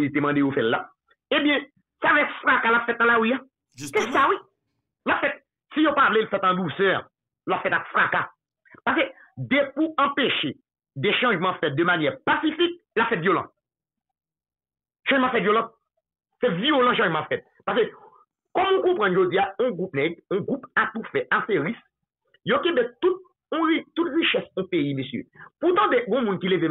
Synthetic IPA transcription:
lit̪̬emɑ̃d̪ejofɛlla̰ | ebjɛ̃ | savɛkfʁakalapfɛt̪̚nãlawija | ssawi | lapfɛt̪̚ | sijopavlelfɛt̪ɑ̃d̪usœ | lapfɛt̪akfʁaka | paʁs̬kø | d̪ɛpuɐ̃peʃe | d̪ɛʃɑ̃ʒmɑ̃fɛt̪̚d̪əmanjɛʁpasifik̚ | lapfɛt̪vjolɑ̰̃t̚ | ʃɑ̃ʒmɑ̃fɛt̪vjolɑ̃t̪̚ | sɛvjolɑ̃ʃ̬ɑ̃ʒmɑ̃ãfɛt̪̚ | paʁs̬ø | kɔmũkɔ̃pʁɑ̃nʒod͡ziaɔ̃ɡʁup̚nɛɡɔ̃ɡʁupat̪ufɛʔaseʁis | jokebɛt̪ut̪̚ | ɔ̃it̪ut̪ʁiʃɛsɔ̃peimesjø̰put̪ɑ̃d̪eɡɔ̃mũnkileve

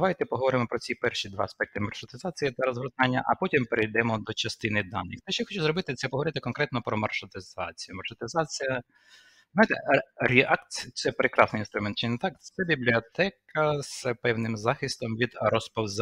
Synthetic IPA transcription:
ɐʋɑjt̪ɛpɔɦɔʋɔɾɪmɔpɾɔt͡sʲipɛrʃid̪ʋɑ̰ɐspɛk̚t̪ɪmɐrʃɔt̪ɪzɑt͡sʲijit̪ɐɾɔzɦɾʊt̪ɑnʲːɐ̰ʔɐpɔtʲimpeɾejd̪ɛmɔd̪ɔt͡ʃɐst̪ɪnɪd̪ɑnːɪ̰xt̪ɛʃt͡ʃːɔxɔt͡ʃʊzɾɔbɪt̪ɪt̪sɛpɔɦɔʋɔɾɪt̪ɪkɔnkɾɛt̪nɔpɾɔmɐrʃɔt̪ɪzɑ̰t͡sʲijʊmɐrʃɔt̪ezɑt͡sʲijɐ | znɑjt̪ɛ̰ɾʲiɑkt̪t̪sɛpɾekɾɑsnɪjinst̪ɾʊmɛnt̪̚t͡ʃɪnt̪ɑk̪̚sɛbʲiblʲiɔt̪ɛkɐz̥pɛwnɪmzɑxɪst̪ɔmʋʲid̪ɾɔspɔwz

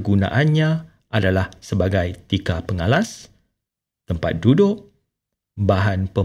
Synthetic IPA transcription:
ɡunã̰ʔanɲã | ʔadalahsəbaɡajt̪ikapəŋalas | t̪əmpa̰t̪̚dudʊʔ̚ | baɦanpə

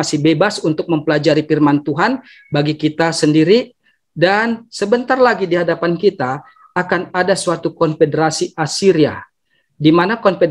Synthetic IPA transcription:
asɪhbebasunt̪ʊk̚məmpəlad͡ʒaɾifirmant̪uɦan | baɡikit̪asəndiɾi | dansəbənt̪arlaɡidiɦadapankit̪aː | kanadasuat̪ukɔnfedəɾasiʔasiɾia | dimanakɔnfe

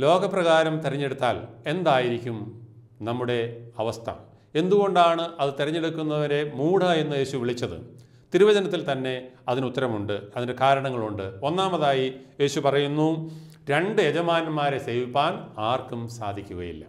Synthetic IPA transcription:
lo̞ːɣɐprɐɣaːɾɐmt̪eɾɐɲːe̞ɽut̪ːaːle̞nd̪aːjiɾikʲːum | nɐmːuɽe̞ɐʋɐst̪ʰɐ̰ | e̞nd̪uɣo̞ɳɖaːɳɨɐðɨt̪eɾɐɲːe̞ɽukːunːɐʋɐɾe̞muːɽae̞nːɨje̞ːɕuʋiɭit͡ɕːɐðɨ̰ | t̪iɾuʋɐd͡ʑɐnɐt̪ːilt̪ɐnːe̞ɐðinut̪ːɐɾɐmuɳɖɨɐðindekaːɾɐɳɐŋːɐɭuɳɖɨo̞nːaːmɐðaːjije̞ːɕupɐrɐjunːuɾe̞ɳɖɨed͡ʑɐmaːnɐmːaːɾeseːʋipːaːnaːrkumsa̰ːd̪ʱikʲːuɣɐ̰jḭlːɐ̰

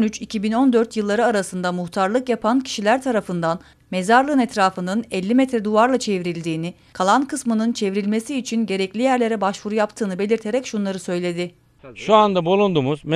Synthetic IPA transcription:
nyt͡ʃicʰibino̞nd̪øɾt̪jɯlˠːaɾɯaɾasɯnd̪amuht̪ʰaɾlˠɯkjapʰancʰi̥ʃilʲæɾt̪ʰaɾafɯnd̪an | me̞zaɾlˠɯnɛt̪ʰɾaːfɯnɯnɛlʲːimɛt̪ɾɛd̪uvaɾlˠat͡ʃʰe̞vɾilʲd̪iːni | kʰalˠankʰɯsmɯnɯnt͡ʃʰe̞vɾilʲme̞siːt͡ʃʰinɟe̞ɾɛclʲijæɾlʲe̞ɾɛbaʃvuɾujapt̪ʰɯːnɯbe̞lʲiɾt̪ʰe̞ɾɛcʃunlˠaɾɯsø̞jlʲe̞d̪ɪ | ʃuand̪abulˠund̪umuzm

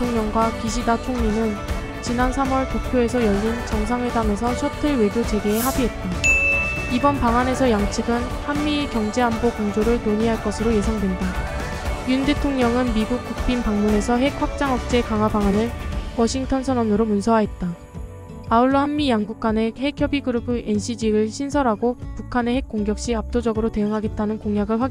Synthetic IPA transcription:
etʰoŋɲʌŋɡwakiɕ̬ʰidat͡ɕʰoŋɲinɯn | t͡ɕinansʰamwʌɭpopʰjoe̞s̬ʰʌjʌʎːint͡ɕʌŋsʰaŋedame̞s̬ʰʌsʰʌtʰɯɭwe̞ɡjot͡ɕe̞ɡeːɦabiɦe̞t̚t͈a | ibʌnpaŋane̞sʰʌjaŋt͡ɕʰɯɡɯn | hamːikjʌŋd͡ʑe̞ambokoŋd͡ʑoɾɯɭnoɲiɦaɭk͈ʌsʰɯɾoje̞sʰaŋdwe̞nda | jundetʰoŋɲʌŋɯnmiɡuk̚k͈uk̚p͈ʰinpaŋmune̞sʰʌɦe̞k̚ɸak̚t͡ɕ͈aŋʌk̚t͡ɕ͈e̞kaŋɦwabaŋanɯɭwʌɕʰiŋtʰʌnsʰʌnʌnɯɾomunsʰʌɦaɦe̞t̚t͈a | auɭːʌhamːijaŋɡuk̚k͈ane̞ɦe̞kʰjʌbiɡɯɾɯbɯʔe̞nɕʰid͡ʑiɾɯɭɕʰinsʰʌɾɦaɡopukʰane̞he̞k̚k͈oŋɡjʌk̚ɕ͈iap̚t͈od͡ʑʌɡɯɾote̞ɯŋɦaɡe̞t̚t͈anɯnkoŋjaɡɯɭɸwaɡi

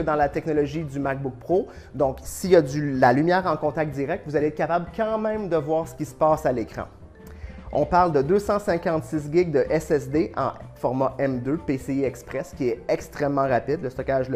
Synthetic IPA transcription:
əd̪ɑ̃lat̪ɛknɔlɔʒid̪ymak̚bʊk̚pχo | d̪ɔ̃ksijad̪ylalymjɛːʁɑ̃kɔ̃t̪ak̚t̪̚d̪iʁɛk̚t̪vuzaleɛt̪̚kapablkɑ̃mɛ̃md̪əvwaːʁsə̥kʲisə̥pɑsalekʁɑ̰̃ | ɔ̃paʁld̪əd̪øsɑ̃sɛ̃kɑ̃t̪sɪs̬ɡʲɪɡ̚d̪əʔɛsɛsd̪eʔɑ̰̃fɔʁmaʔɛmd̪øpeseɛkspʁɛskʲiɛɛkst̪ʁɛmːɑ̃ʁapid̪ləst̪ɔkʲaʒl

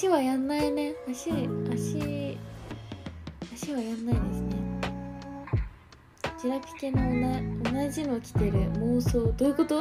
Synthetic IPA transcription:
iβajãnːaine̞aɕiaɕi | aɕiβajãnːaid̪e̞sɨne̞ | d͡ʑiɾakɯ̟̥kenonaonaʑimo̞kʲi̥t̪e̞ɾɯ̟moːso̞ːd̪o̞ɯ̟ko̞t̪o

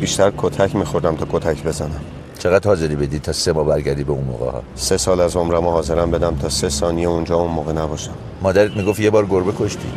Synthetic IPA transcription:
biːʃt̪ʰæɾkʰot̪ʰæcʰmixoɾd̪æmt̪ʰɒːkʰot̪ʰæcʰbe̞zænæm | t͡ʃʰe̞ɣæd̪hɒːze̞ɾiːbe̞d̪iːd̪̚tʰɒːse̞mɒːbæɾɟæɾd̪ibeunmo̰ːɣḛhɒ̰ | se̞sɒːlæzomɾæmohɒːze̞ɾæmbe̞d̪æmt̪ʰɒːsesɒːnijeund͡ʒɒːunmoːɣenæbɒːʃæm | mɒːd̪æɾed̪miːɡoft̪je̞bɒːɾɡoɾbekʰo̞ʃt̪ʰḭːd̪̥

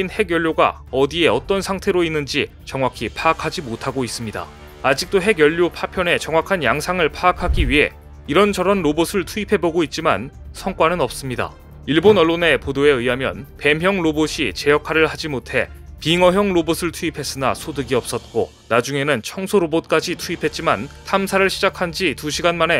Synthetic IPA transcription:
inhe̞ɡjʌʎːoɡa̰ | ʌdie̞ʌt͈ʌnsʰaŋtʰe̞ɾoinːɯnd͡ʑi | t͡ɕʌŋwakʰipʰaːkʰad͡ʑimotʰaɡois͈ɯmɲida̰ | ad͡ʑik̚t͈oɦe̞ɡjʌʎːopʰapʰjʌne̞t͡ɕʌŋwakʰanjaŋsʰaŋɯɭpʰaːkʰaɡiɥiɦe̞̰ | iɾʌnd͡ʑʌɾʌnɾobosʰɯɭtʰuipʰe̞boɡoit̚t͡ɕ͈imansʰʌŋk͈wanɯnʌp̚s͈ɯmɲida̰ | iɭbonʌɭːone̞podoe̞ɯjɦamjʌ̰npe̞mɦjʌŋɾoboɕʰit͡ɕe̞jʌkʰaɾɯɭhad͡ʑimotʰe̞̰piŋʌɦjʌŋɾobosʰɯɭtʰuipʰe̞s͈ɯna̰sʰodɯɡiʌp̚s͈ʌt̚k͈o̰ | nad͡ʑuŋe̞nɯnt͡ɕʰʌŋsʰoɾobot̚k͈ad͡ʑitʰuipʰe̞t̚t͡ɕ͈imantʰamsʰaɾɯɭɕʰid͡ʑakʰand͡ʑituɕʰiɡanmane̞

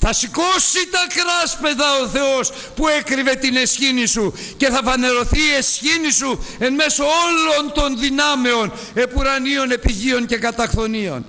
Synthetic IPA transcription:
θɐsiko̞sit̪ɐkɾɐspe̞zɐo̞θe̞os | pue̞kɾive̞t̪ine̞sçinisu | ce̞θɐvɐne̞ɾo̞θiːe̞sçinisue̞nme̞so̞olont̪o̞nðinɐme̞o̞n | e̞puɾɐnio̞ne̞piʝio̞nce̞kɐt̪ɐxθo̞nio̞̰n

